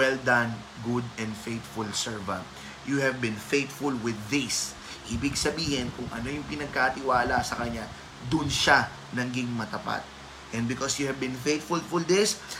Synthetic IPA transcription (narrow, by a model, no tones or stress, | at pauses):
wɛld̪ãn | ɡʊd̪ɛ̃nd̪fejt̪fʊlsɛɹvɐ̰̃nt̪ | juhɛvbɪ̃nfejt̪fʊlwɪðːɪs | ʔiːbɪɡsɐbiːhɪnkʊŋʔɐ̰no̞jʊŋpɪnɐɡ̚kat̪ɪwaːlasɐkɐɲa | d̪ʊnʃa | nɐŋɡiŋmɐt̪ɐpa̰t̪̚ | ʔɛnd̚bɪkɔsjʊhɛvbɪ̃nfejt̪fʊlfʊld̪ɪs